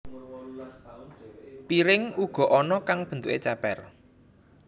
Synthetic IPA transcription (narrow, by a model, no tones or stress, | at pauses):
piɾɪŋuɡ̥ɔ̤ʔɔnɔkaŋb̥ə̤nt̪ṵʔet͡ʃɛpɛr